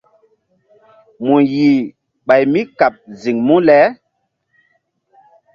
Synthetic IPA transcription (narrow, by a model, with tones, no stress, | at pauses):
mu˨ji˨ | ɓa˨jmi˦ka˨p̚zi˨ŋmu˦lɛ˨˦